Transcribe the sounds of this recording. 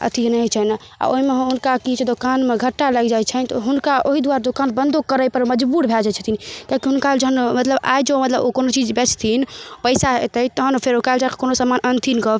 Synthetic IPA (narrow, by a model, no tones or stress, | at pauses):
ə̰t̪ʰinəɦit͡ʃʰəɦna | a̰oɦimeɦɦunkakit͡ʃʰd̪okanmeɡʱəʈːaləɡd͡ʒajt͡ʃʰənt̪ɔɦunkaʔoɦid̪uaɾad̪okanbənd̪ʱokəɾəjpəɾməd͡ʒbuɾbʱeld͡ʒajt͡ʃʰə̥t̪ʰinikakiɦunkad͡ʒəɦənmət̪ləba̰jd͡ʒomət̪ləbokonot͡ʃid͡ʒbet͡ʃʰt̪ʰinpəɪsaɦet̪əjt̪ɔɦənopʰeɾokald͡ʒake̥konosamanʔənt̪ʰinkɔb